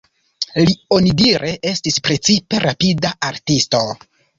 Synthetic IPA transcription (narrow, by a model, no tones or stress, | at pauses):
lio̞nidiɾʔe̞ʔe̞stispɾe̞t͡sipe̞ɾapidaaɾtisto̞